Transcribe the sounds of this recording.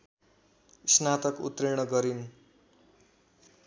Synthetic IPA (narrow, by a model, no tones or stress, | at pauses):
snat̪ʌkṵt̪riɽ̃ʌɡʌɾin